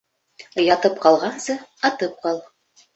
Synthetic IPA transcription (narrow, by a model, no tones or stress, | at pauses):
jɑt̪ɤp̚qɑlˠʁɑnsɤɑt̪ɤp̚qɑlˠ